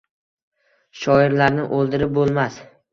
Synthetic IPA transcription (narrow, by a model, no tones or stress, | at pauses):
ʃɒɪɾlaɾnɪʔolˠd̪ɪɾɪp̚bolˠmas